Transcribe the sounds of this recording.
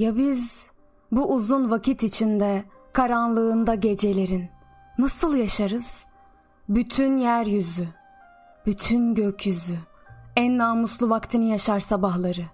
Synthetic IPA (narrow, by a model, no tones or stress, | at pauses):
jabiz | buʔuzunvacʰit̪it͡ʃʰind̪ɛ | kʰaɾanlˠɯːnd̪aɟe̞d͡ʒe̞lʲe̞ɾinː | asɯlˠjaʃaɾɯz̥ | byt̪ʰynjæɾjyzy | b̥yt̪ʰynɟøcʰjyzyænːaːmuslˠuvakt̪ʰɯnɯjaʃaɾsabahlˠaɾɯ